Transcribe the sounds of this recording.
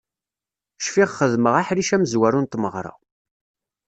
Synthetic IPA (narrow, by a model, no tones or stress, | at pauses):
ʃfiʁχəðməʁaħɾiʃæməzwæɾunt̪məʁɾˤɑ̰